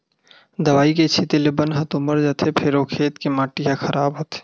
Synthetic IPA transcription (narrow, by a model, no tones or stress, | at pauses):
d̪ɐʋaːiket͡ʃʰit̪elebənɦɐt̪oməɾd͡ʒɐt̪ʰepʰɪɾoːkʰeːt̪kemaːʈiɦakʰɐɾʔaːbɦoːt̪e̥